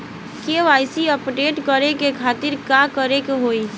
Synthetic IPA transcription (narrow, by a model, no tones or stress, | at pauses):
keʋaːɪsiɔpʈeːʈkəɾekekʰaːt̪ɪɾkaːkəɾekeɦoːi